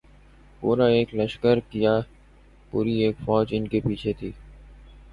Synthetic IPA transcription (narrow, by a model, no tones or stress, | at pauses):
puːɾaeːkləʃkəɾkija | puːɾieːkfɔːd͡ʒɪnkepiːt͡ʃʰet̪ʰiː